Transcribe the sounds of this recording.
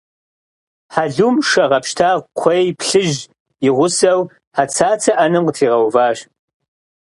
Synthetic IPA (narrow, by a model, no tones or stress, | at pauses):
ħaɮumʂɐʁɐpʃtʰaːʁqʷʰɔjpʰɬɨʒ | jɪʁʷʊsɐw | ħat͡sʰaːt͡sʰɐʔɐnɨmqətʰiːʁɐwvaːɕ